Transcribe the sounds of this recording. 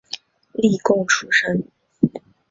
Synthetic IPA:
li˥˧kʊ˥˧˩ŋʈ͡ʂʰu˥ʂə˥n

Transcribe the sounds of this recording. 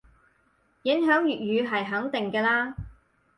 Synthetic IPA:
jɪ˨˥ŋɦœː˨˥ŋjyː˨t̚jyː˨˧ɦɐ˨˩jɦɐ˨˥ŋt̪ɪ˨ŋkɛː˧laː˥

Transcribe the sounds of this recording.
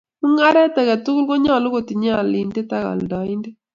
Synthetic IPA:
mu˦ŋa˦ɾɛ˦tɛ˨ka˨tu˦ku˦lko˦ɲɔ˦˨lo˦ko˨ti˨ɲ˦a˦˨li˨nde˦ta˦ka̰˨ldɔ˨ɪ˦ndɛ˦

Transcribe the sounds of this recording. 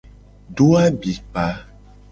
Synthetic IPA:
ɖo˦a˦bi˨pa˨˦

